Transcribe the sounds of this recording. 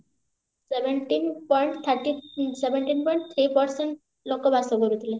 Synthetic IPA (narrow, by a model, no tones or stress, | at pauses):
seʋeɳʈinpɔjɳʈt̪ʰəɾʈiseʋeɳʈiːnpɔiɳʈt̪ʰɾipəɾsəɳʈ | lokəbʱasɔɡoɾut̪le